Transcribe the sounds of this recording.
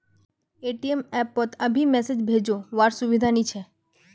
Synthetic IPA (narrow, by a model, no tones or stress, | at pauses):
eːʈiemɛːpːət̪ɐbʱimɛːsed͡ʒbʱeːd͡ʒoʋaːɾsʊʋɪd̪ʱanĩt͡ʃʰɛ